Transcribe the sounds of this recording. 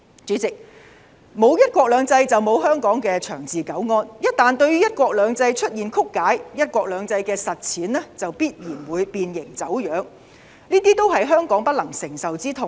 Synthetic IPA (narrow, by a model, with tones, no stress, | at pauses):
t͡ʃyː˨˥t͡sɪ˨k̚ | mo˨˧wjɐ˥t̚kʷɔː˧k̚lœː˨˧ŋt͡sɐ˧jt͡sɐ˨wmo˨˧wɦœː˥ŋkɔː˨˥ŋkɛː˧t͡ʃʰœː˨˩ŋt͡siː˨kɐ˨˥wŋɔː˧njɐ˥t̚t̪aː˨nt̪ɵ˧ɥyː˥jɐ˥t̚kʷɔː˧k̚lœː˨˧ŋt͡sɐ˧jt͡ʃʰɵ˥t̚jiː˨nkʰʊ˥kːaː˨˥jjɐ˥t̚kʷɔː˧k̚lœː˨˧ŋt͡sɐ˧jkɛː˧sɐ˨t̚t͡sʰiː˨˥nlɛː˥t͡sɐ˨wpiː˥t̚jiː˨˩nwuː˨˧jpiː˧njɪ˨˩ŋt͡sɐ˨˥wjœː˨˥ŋ | niː˥t̪iː˥t̪o˥wɦɐ˨jɦœː˥ŋkɔː˨˥ŋpɐ˥t̚lɐ˨˩ŋsɪ˨˩ŋsɐ˨wt͡siː˥t̪ʰʊ˨˩ŋ